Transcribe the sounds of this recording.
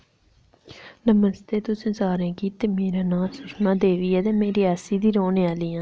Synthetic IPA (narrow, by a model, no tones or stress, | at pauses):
nəməst̪eːt̪ʊsẽːsaːɾẽːkiːt̪ːeːmeːɾaːnãːsʊʃmãːd̪eːʋiːɛːt̪eːmeːɾiːaːsiːd̪iːɾoːnẽːaːliːãː